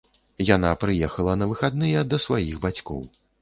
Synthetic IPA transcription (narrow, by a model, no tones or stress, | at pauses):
jan̪apɾɨjɛxɐlˠɐnɐvɨxad̪̚nɨjɐd̪ɐsvajiɣbat͡sʲkɔ̰w